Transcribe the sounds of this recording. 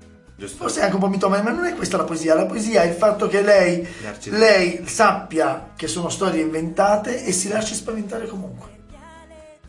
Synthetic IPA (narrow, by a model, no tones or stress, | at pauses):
forseaŋk̟eumpɔmit̪ɔmanemanːonɛkːwest̪alapoeziːalapoeziːaɛilfat̪ːok̟elːɛjlɛjsapːjak̟esːoːnost̪ɔːɾjeiɱvent̪aːt̪eʔːsːilaʃːespavent̪aːɾekomuŋkwe